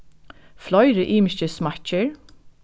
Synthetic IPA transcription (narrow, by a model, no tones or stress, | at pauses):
flɔʏɾəʔiːmɪʃəsmæt͡ʃəɹ